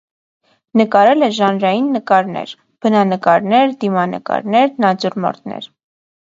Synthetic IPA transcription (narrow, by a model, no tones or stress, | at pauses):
nəkɑɾɛlɛʒɑnɾɑjinːəkɑɾnɛ̰ɾ | b̥ənɑnəkɑɾnɛɾd̪imɑnə̰kɑ̰ɾnɛɾnɑd͡zuɾmɔ̰ɾt̪nɛ̰ɾ